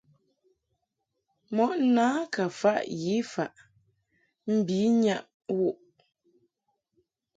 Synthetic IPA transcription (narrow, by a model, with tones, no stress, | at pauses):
mɔ˦ʔnaː˦ka˨fa˦ʔji˨˦fa˨ʔ | m̩˦˨bi˨˦ɲa˦˨ʔ | wu˦˨ʔ